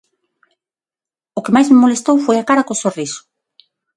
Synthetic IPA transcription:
okemajzmemolest̪owfojakaɾakosorisʊ̥

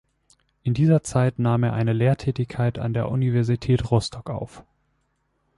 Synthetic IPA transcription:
ʔɪndiːzɐt͡saɪtnaːmeːɐʔaɪnəleːɐtʰɛːtɪçkʰːaɪta̰ndeːɐʔunivɛɐzitʰɛːtʁɔstʰɔkʔa̰ʊf

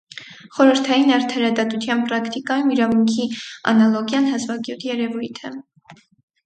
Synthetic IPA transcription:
χɔɾəɾt̪ʰɑjinɑɾt̪ʰɑɾɑd̪ɑt̪ut̪ʰjɑnpɾɑkʰt̪ikɑjumiɾɑmuŋkʰiɑ̰nɑlɔɡjɑnɦɑzvɑɡjut̪ʰjɛɾɛvujt̪ʰɛ

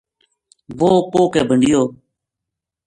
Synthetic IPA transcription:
ʋoːkoːkeːbʱəɳɖɪjoː

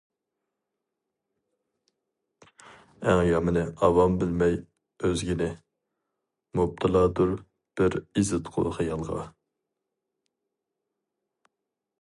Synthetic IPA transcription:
æŋjɑmɨnɪʔɑwɑmbɪlmɛj | øzɡʲinɪ | mub̚t̪ʰɨlˠɑːd̪uɾ | b̥ɪɾizɪt̪qʰʊ̰χɨjɑlˠʁɑ̰

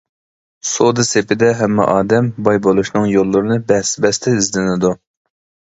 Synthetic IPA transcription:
sod̪ɨsepɪd̪ɛɦɛmːɛ̰ʔɑːd̪ɛmbɑjbolˠuʃnɨŋjolˠːʊɾɨnɨbɛhsɪbɛst̪ʰɛizlɪnɪd̪u

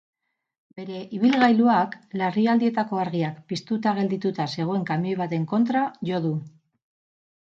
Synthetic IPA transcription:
be̞ɾe̞ʔiβ̞ilɣajluaklariald̪ie̞t̪ako̞aɾɣiakpist̪ut̪aɣ̞e̞ld̪it̪ut̪ase̞ɣ̞oe̞ŋkamiojβat̪e̞ŋko̞nt̪ɾaʝo̞ðu

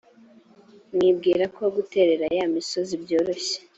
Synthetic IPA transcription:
mŋibɡiːɾakʰo̞ɡute̞ɾe̞ɾajamiso̞zibjo̞ːɾo̞ɕe̥

